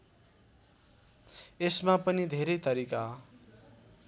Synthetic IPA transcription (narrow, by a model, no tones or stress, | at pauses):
esmapʌnid̪ʱeɾʌjt̪ʌɾika